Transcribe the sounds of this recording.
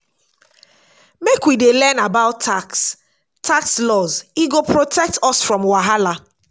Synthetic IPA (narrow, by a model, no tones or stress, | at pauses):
mekwidelɛnabaʊtʰːaks | tʰakslɔziɡopʰɹotʰɛk̚tʰɔsfɹɔ̃mwaɦala